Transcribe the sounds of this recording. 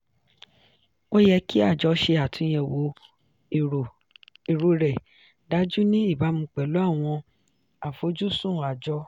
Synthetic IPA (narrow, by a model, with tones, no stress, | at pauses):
o˦jɛ˧kʰi˦a˦˨d͡ʒɔ˨˧˦ʃe˧a˨tʰũ˧j̃ɛ̃˧wo˨˦˨ | i˨ɾo˧ɾɛ˨ | da˨˦d͡ʒu˦nĩ˦i˦˨ba˨˦mũ˧k͡pɛ˨lu˨˦a˦˨w̃ɔ̃˧ | a˨fo˨˦d͡ʒu˦sũ˦˨a˨d͡ʒɔ˧˦